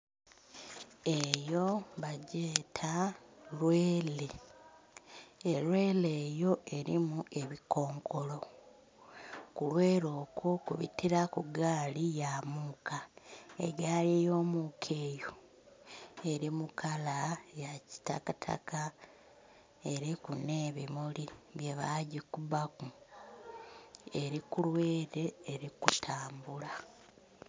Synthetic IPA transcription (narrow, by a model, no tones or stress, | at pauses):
e̞jo̞βaɟe̞ːtʰalweːle̞ | elwe̞ːleːjo̞ʔe̞ɾimue̞βiko̞ːŋkʰo̞lo̞ | kulwe̞ːɾo̞ːkʰokṵβḭtiɾakuɡaːlijamuːkaḛɟaːlejo̞ːmukʰe̞ːjo | e̞ɾimukʰalajaci̥ta̰katʰa̰ka | e̞ɾikune̞ːβimuliβje̞βaɟikuβaku | e̞ɾikulwe̞ːɾe̞ːɾikutʰaːmbula